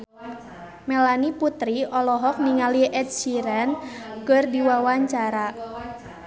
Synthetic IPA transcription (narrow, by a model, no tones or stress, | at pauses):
melaniput̪ɾiʔɔlɔɦɔk̚niŋaliɛd̪̚siɾɛnkɨrdiwawaɲt͡ʃaɾa